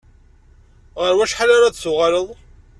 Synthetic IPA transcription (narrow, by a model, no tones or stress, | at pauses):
ʁəɾwæʃħalaɾad̪sʊʁaləðˤ